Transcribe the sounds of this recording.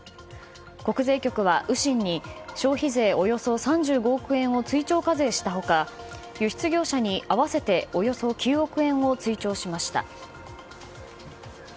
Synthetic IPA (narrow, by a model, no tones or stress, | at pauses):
ko̞kɯ̟ze̞ːkʲo̞kɯ̟βaʔɯ̟ɕĩɲ̟ːiɕo̞ːçize̞ːo̞jo̞so̞sãɲd͡ʑɨːɡo̞ːkɯ̟ẽ̞ɰ̃o̞t͡sɨit͡ɕo̞ːkaze̞ːɕi̥t̪aɦo̞ka | jɯ̟ɕi̥t͡sɨɡʲo̞ːɕaɲ̟iʔaβase̞t̪e̞o̞jo̞so̞kʲʰɨːo̞kɯ̟ẽ̞ɰ̃o̞t͡sɨit͡ɕo̞ːɕimaɕi̥t̪a̰